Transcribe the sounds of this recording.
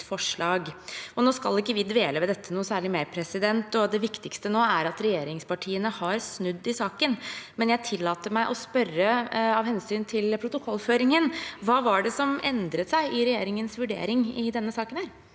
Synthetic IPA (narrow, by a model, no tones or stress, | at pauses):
fɔʂɭɑːɡɔnoːskɑlɪkːəʋɪd̪ʋeːləʋɛd̪ɛt̪ʰːənuːsæːɭɪmeːɾpʰɾɛsɪd̪ɛnt̪ɔd̪ɛʋɪkt̪ɪkst̪ənoːæɾɑt̪ɾɛjeːɾɪŋspɑʈʰiːənəhɑɾsnʉd̪ːɪsɑːkənmɛnjæɪt̪ʰɪlːɑːt̪əmæɪʔɔspœrəɑʋhɛnsyːnt̪ʰɪlpʰɾʊt̪ʊkʰɔlːføːɾɪŋənʋɑːʋɑɖɛsɔmɛnd̪ɾət̪sæɪʔɪɾɛjeːɾɪŋənsʋʉɖḛːɾɪŋɪd̪ɛnːəsɑːkənhæːɾ